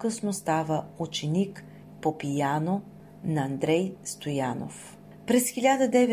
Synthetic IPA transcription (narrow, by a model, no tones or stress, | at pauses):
kɤsnost̪avəut͡ʃɛnik | popijano | nɐːnd̪ɾɛjst̪ojano̰f | pɾɛsxilʲad̪əd̪ɛvɛ